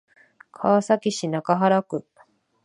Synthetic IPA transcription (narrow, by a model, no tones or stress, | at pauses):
kʰaβasakʲiɕinakaɦaɾakɯ̟